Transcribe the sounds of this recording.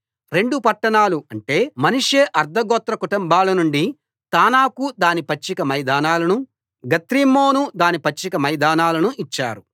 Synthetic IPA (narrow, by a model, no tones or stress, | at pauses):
ɾe̞ɳɖupɐʈːɐɳaːluɐɳʈe̞ːmɐnuʂeʔɐɾd̪ʱɐɡɔːt̪ɾɐkuʈumbaːlɐnuɳɖi | t̪aːnaːkud̪aːnipɐt͡ʃːikɐmɐjd̪aːnaːlɐnu | ɡɐt̪ɾimːoːnud̪aːnipɐt͡ʃːikɐmɐjd̪aːnaːlɐnuʔit͡ʃːa̰ːɾu